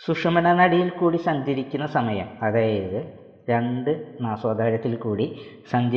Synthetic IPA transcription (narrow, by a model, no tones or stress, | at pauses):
suʂɐmɐnɐnɐɽijilkuːɽisɐɲd͡ʑɐɾikʲːunːɐsɐmɐjɐ̰mɐðaːjiðɨ | ɾeɳɖɨnaːswaːd̪ʱaːɾɐt̪ːilkuːɽi | sɐɲd͡ʑɐ